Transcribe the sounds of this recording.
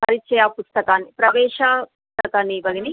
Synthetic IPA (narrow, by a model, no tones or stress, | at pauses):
pɐɾit͡ʃːɛːjaːpust̪ɐkaːnːipɾɐʋɛːʃaːpust̪ɐkaːnːibɐɡini